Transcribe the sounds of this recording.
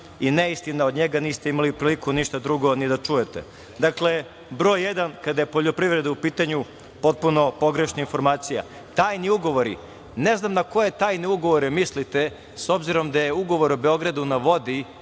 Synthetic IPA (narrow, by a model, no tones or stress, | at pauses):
ineist̪inaod̪ɲeɡaniːst̪e̞imaliupɾiːlikuniʃt̪ad̪ɾuɡo̞nid̪at͡ʂuje̞t̪ḛ | d̪akle̞ | bɾo̞jːed̪ankad̪ajepo̞ʎopɾiʋɾe̞d̪aupiːt̪aɲu | po̞t̪̚puno̞po̞ɡɾe̞ʃnainfo̞ɾmaːt̪sija̰ | t̪aːjniuɡo̞ʋoɾḭ | neznamnako̞je̞t̪aːjniuɡo̞ʋoɾimislit̪e | so̞bziɾo̞md̪ajeuɡo̞ʋo̞ɾobeo̞ɡɾad̪unaʋo̞d̪i